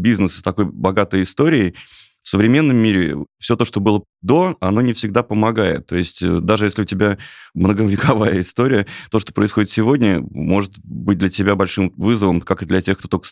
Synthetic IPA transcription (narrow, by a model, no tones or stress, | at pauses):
bʲiznəst̪ɐko̞jbɐɡat̪əjɪst̪o̞ɾʲɪː | fsəvɾʲɪmʲe̞nːəmʲːiɾʲɪ̰fsʲo̞t̪o̞ʂt̪obɨlˠə | d̪o̞ɐno̞nʲɪfsʲɪɡ̚d̪apəmɐɡajɪ̰t̪ːo̞jɪsʲtʲə̰d̪aʐɨjesʲlʲɪʊtʲɪbʲamnəɡəvʲɪkɐvajəɪst̪o̞ɾʲɪjət̪o̞ʂt̪o̞pɾəɪsxodʲɪt̪sʲɪvo̞dʲnʲəmo̞ʐɨt̪̚bɨt̚ʲd̪lʲətʲɪbʲabɐlʲʂɨmvɨzəvəmkakɨd̪lʲɐtʲe̞xkt̪ot̪okə̥s